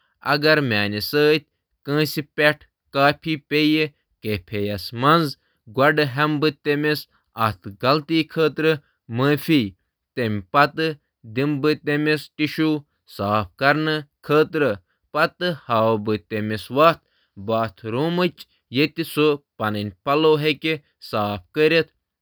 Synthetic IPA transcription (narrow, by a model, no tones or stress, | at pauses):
ɐ̰ɡɐɾmʲaːnʲisəːt̪̚ʲ | kə̃ːsipʲeʈʰ | kaːpʰipʲeji | kepʰejɐsmɐnz | ɡɐɖɨɦɐmbɨt̪emis | ɐt̪ʰɡɐlt̪iːkʰəːt̪ɾɨ | məːfiː | t̪emʲpɐt̪ɨ | d̪imbɨt̪emesʈiʃuː | saːp̚ʰkɐɾnɨkʰəːt̪ɾɨ | pɐt̪ɨhaːwbɨt̪emesʋɐt̪ | baːt̪ʰɾuːmɨt͡ʃ | jet̪isopɐnɨnʲpɐloːɦekʲe | saːp̚ʰkəɾet̪